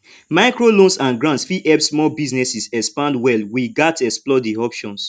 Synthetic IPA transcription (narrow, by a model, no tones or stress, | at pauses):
maɪkɹolõnsãnɡɹãntsfiʔɛpsmɔbiznɛsisɛspãndwɛlwiɡatɛksplɔdiɔpʃɔ̃ns